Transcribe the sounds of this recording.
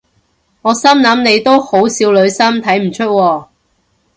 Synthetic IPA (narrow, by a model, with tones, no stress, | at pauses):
ŋɔː˨˧sɐ˥mnɐ˨˥mne˨˧jt̪o˥who˨˥wsiː˨˧wlɵ˨˧ɥsɐ˥mt̪ʰɐ˨˥jm̩˨˩t͡ʃʰɵ˥t̚wɔː˧